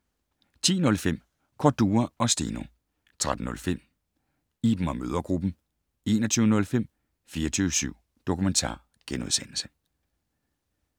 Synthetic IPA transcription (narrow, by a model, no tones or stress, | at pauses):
t͡sʰḭːnɔ̽lfem̰ | kʰɒd̥uːɐɒ̽sd̥ḭːno̝ | t͡sʰʁad̥n̩nɔ̽lfem̰ | iːb̥m̩ɒ̽møːð̞ˠɐɡ̥ʁub̥n̩ | e̝̰ːnɒ̽t͡sʰyːʊənɔ̽lfem̰ | fiːɐt͡sʰyːʊəsyʊ̰ | d̥o̝kument͡sʰɑ̰̈ː | ɡ̥enuðˠsen̰l̩sə̥